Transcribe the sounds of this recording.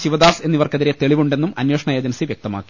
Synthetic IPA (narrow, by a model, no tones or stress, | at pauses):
ɕiʋɐd̪aːse̞nːiʋɐrkɐðiɾe̞t̪e̞ɭiʋuɳɖe̞nːumɐnjoːʂɐɳajɐːd͡ʑɐnɐsiʋjek̚t̪ɐma̰ːkːi̥